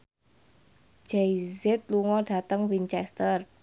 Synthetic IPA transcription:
d͡ʒ̥ejzɛt̪̚luŋɔɖ̥a̤t̪əŋwiɲt͡ʃɛst̪ər

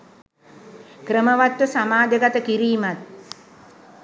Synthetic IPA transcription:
kɾəməʋat̪ːəsamaːd̪əɡat̪əkiɾiːmat̪̚

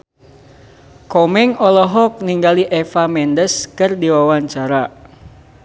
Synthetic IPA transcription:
kɔmɛŋɔlɔɦɔk̚niŋɡaliʔɛfamɛndəskɨrdiwawaɲt͡ʃaɾa

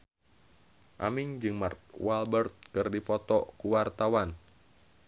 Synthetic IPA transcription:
ʔa̰miŋd͡ʒɨŋmart̪̚walbərt̪̚kɨrdipɔt̪ɔkuwart̪awan

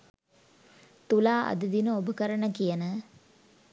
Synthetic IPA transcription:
t̪ulaːʔɐ̰d̪əd̪inəobəkəɾəɳəkijənə

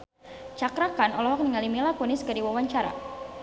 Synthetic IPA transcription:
t͡ʃakɾakanɔlɔɦɔk̚niŋalimilakuniskadiwawaɲt͡ʃaɾa̰

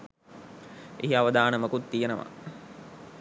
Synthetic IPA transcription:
ʔiɦiaʋəd̪aːnəməkut̪ːijenəʋa̰

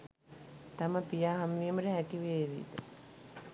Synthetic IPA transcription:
t̪aməpijaːɦamʋiəməɾəɦækiʋeːʋḭːd̪ə

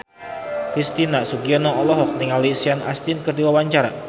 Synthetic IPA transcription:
kɾist̪inasuɡiɔnɔɔlɔɦɔk̚diŋalisiana̰st̪inkərdiwawaɲt͡ʃaɾa̰

